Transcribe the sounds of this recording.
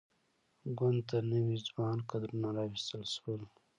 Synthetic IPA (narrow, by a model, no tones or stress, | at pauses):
ɡwand̪t̪anəwizwɑnkad̪ɾunaɾɑwist̪əlʃəwəl